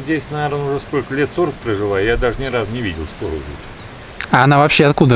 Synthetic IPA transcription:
zʲdʲesʲnɐvʲeɾonʊʐɛskolʲkəlʲet̪soɾək̚pɾəʐɨvˠajjad̪aʐɨnʲɪɾasnʲɪvʲidʲɪlˠskoɾəʊvʲṵt̪ | ɐɐnavɐpɕːeɐt̪kud̪ə

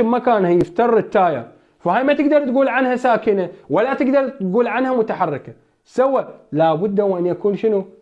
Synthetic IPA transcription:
ɪmakaːnhajɪft̪ɑrˤɪt̪ːaːja̰ | fahaːjmat̪ɪɡd̪ɑɾˤt̪ɡuːlʕanhasaːkɪnawalːat̪ɪɡd̪ɑɾˤt̪ɡuːlʕanhamʊt̪aħɑrˤːɪka | sawːalaːbʊd̪ːawʔanjakuːnʃɪnu

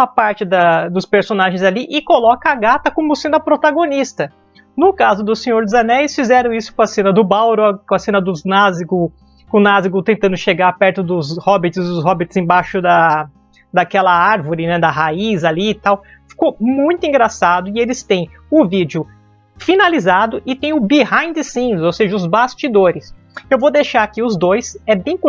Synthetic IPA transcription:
ɐpaɾt͡ʃɪd̪ɐd̪ʊspeɾsonaʒẽj̃zaliʔɪkolɔkɐaɡat̪ɐkõmʊsẽnɐpɾot̪aɡonist̪ɐ | nʊkazʊd̪ʊsẽɲoɾd͡ʒ̪ʊzɐnɛlɪsfizɛɾɐ̃w̃isʊ̥kõɐsẽnɐd̪ʊbawɾʊɐkõɐsẽnɐd̪ʊznaziɡʊ | kʊnaziɡot̪ẽnt̪ɐ̃nd̪ʊʃeɡaɾpɛɾt̪ʊd̪ʊzhɔbɪt͡ʃɪzd̪ʊshɔbɪt͡ʃɪzẽj̃baʃʊd̪ɐ | d̪ɐkɛlɐaɾvʊɾɪnɛd̪ɐɦaizalit̪aw | fi̥komũj̃t̪ʊĩɡɾasad̪ʊɪelɪst̪ẽj̃ | ʊvid͡ʒʊ | finalizad̪ʊʔɪt̪ẽj̃ʊbihãj̃d̪ɪsĩʊzowseʒɐʊzbast͡ʃid̪oɾɪs | ewvod̪ejʃaɾakiʊzd̪ojsɛbẽj̃k

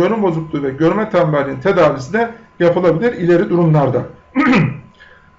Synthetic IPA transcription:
ønymbo̞zuklˠuvɛɟøɾmɛt̪ʰambɛɾlʲinint̪ʰed̪aːvisinɛ | japʰɯlˠabilʲiɾilʲe̞ɾid̪uɾumlˠaɾd̪a

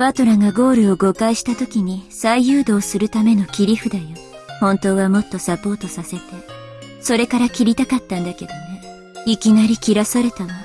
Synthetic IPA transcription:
b̥at̪o̞ɾaŋɡaɡo̞ːɾɯ̟o̞ɡo̞kaiɕi̥t̪at̪o̞kʲiɲ̟isaijɯːd̪o̞ːsɨɾɯ̟t̪ame̞no̞kʲiɾʲiɸɯ̟d̪aio | hõ̞nt̪o̞ːβamo̞t̪ːo̞sapo̞ːt̪o̞sase̞t̪e̞ | so̞ɾe̞kaɾakʲiɾʲit̪akat̪ːãnd̪ake̞d̪o̞ne̞ | ikʲinaɾʲikʲiɾasaɾe̞t̪ano

